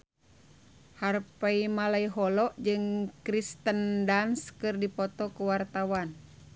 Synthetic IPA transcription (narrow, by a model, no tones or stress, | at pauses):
harpaimalaiɦɔlɔʔd͡ʒɨŋkɾist̪əndanskɨrdipɔt̪ɔkuwart̪awan